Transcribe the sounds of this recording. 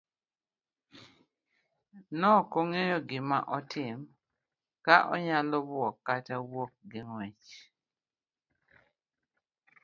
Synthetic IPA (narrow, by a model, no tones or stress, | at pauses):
nɔkoŋejɔɡɪmaʔɔtʰɪm | kaʔɔɲalɔbʊɔkːatawok̚ɡɪŋwɛt͡ʃ